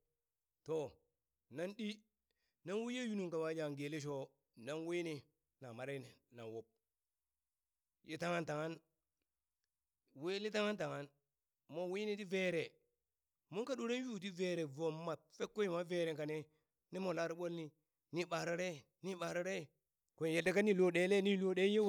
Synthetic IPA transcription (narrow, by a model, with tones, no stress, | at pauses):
to˨ | na˦nɗi˦ | na˦nwu˦je˦ju˦nu˨ŋka˨wa˦d͡ʒa˨ŋɡe˨li˦ʃ̬o˦ | na˦nwe˦ni˦ | na˨ma˨ɾe˦˨na˨wo˦p̚ | jʔe˦ta˦ŋa˦nta˨ŋa˦n | we˦li˦ta˦ŋa˦nta˨ŋa˦n | mo˦wi˦ni˦ti˦ve˦ɾe˨ | mo˦ka˦ɗu˨ɾe˦n˦ju˦˨t̬i˦ve˨ɾe˨vo˨mːa˨t̚fe˦kːo˦i˨ma˦ve˦˨ɾe˨ka˨ne˦ | ni˦mo˨la˦ɾi˦ɓo˦lni˦ | ni˦ɓa˨ɾo˦ɾe˦˨ | ni˦ɓa˨ɾo˦ɾe˦˨ | ko˨je˨da˦ka˦ni˦lo˦ɗe˦le˦ni˦lo˦ɗe˦je˦